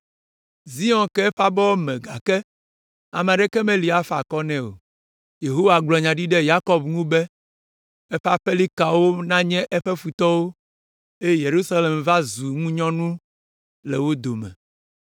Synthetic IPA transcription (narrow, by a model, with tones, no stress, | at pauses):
zi˦ɔ̃˨nkɛ˦ɛ˦ɸa˦bɔ˦wo˦mɛ̃˨ɡa˨kɛ˦ | a̰˨mɛ̃˨ɖɛ˦kɛ˦mɛ̃˦li˨a˦fa̰˨kɔ˦nɛ̃˦wo̰˨ | je˨ɦo˦wa˨ɡ͡blɔ˨ɲã˨ɖi˦ɖɛ˦ja˦kɔ˦bŋũ˦bɛ˦ | ɛ˦ɸa˦ɸɛ˦li˦ka˨wo˦nã˦ɲɛ̃˦ʔɛ˦ɸɛ˦fu˨t̪ɔ˦wo˦ | e˦je˦˨je˨ɾu˦sa˦le˨mva˦zu˨ŋũ˦ɲɔ̃˦nũ˦ | lɛ˨wo˦d̪o˨mɛ̰̃˨